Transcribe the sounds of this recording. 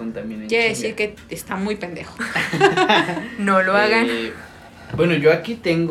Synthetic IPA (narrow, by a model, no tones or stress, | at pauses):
ont̪amĩnkjeeðesiɾke | est̪amujpend̪exo̥ | noloaɣan | bwenoʝoakit̪eŋɡ